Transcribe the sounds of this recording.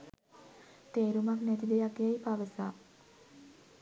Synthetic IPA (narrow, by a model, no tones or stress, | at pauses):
t̪eːɾumaknɛt̪id̪ejakːejajpaʋəsaː